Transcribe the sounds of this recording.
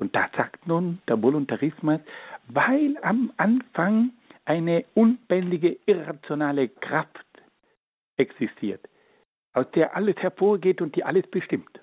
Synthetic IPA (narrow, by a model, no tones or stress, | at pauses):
ʊnt̚d̥az̥aːktnuːnd̥eːɐbolʊntaʁɪsmasvaɪlamʔanfaŋʔaɪnəʔʊnb̥ɛndɪɡəʔɪʁat͡sjonaːləkʁ̥aft | ʔɛksɪstʰiːɐt | ʔaʊsd̥eːɐʔaləshɛɐfoːɐɡeːtʊnt̚d̥iːʔaləsb̥əʃtɪmt